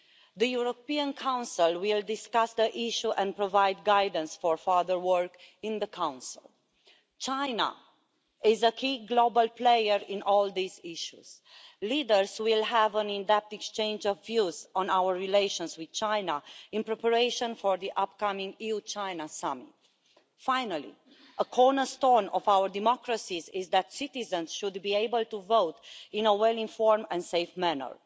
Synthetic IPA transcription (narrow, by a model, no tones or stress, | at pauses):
ðəjuɹopiãnkʰãw̃nsilwildɪskasd̪əʔiʃuʔɛ̃npɹovajd̪ɡajd̪ə̃n̩sfɔɹfaðəɹwəɹkĩnðəkʰãw̃nsḭl | t͡ʃaɪna̰ | ɪzəkʰiɡlobalplejəɹĩnɔld̪iziʃuz̥ | lidəɹzwilɦævə̃nĩnd̪ɛp̚t̪ɛkst͡ʃẽj̃nd͡ʒɔvːjuzɔ̃nawəɹːileɪʃə̃nswið̥t͡ʃajnaĩnpɹɛpəɹeʃə̃nfɔɹðiʔap̚kamĩŋɡiut͡ʃajnasamḭt̚ | fajnalḭ | ʔəkʰɔɹnəst̪ɔnɔvawəɹd̪imɔkɹəsizizðæt̪sit̪izə̃nzʃud̪biejbəlt̪uvowt̪ĩnəwɛlĩnfɔɹmə̃ndseɪfmænə̰ɹ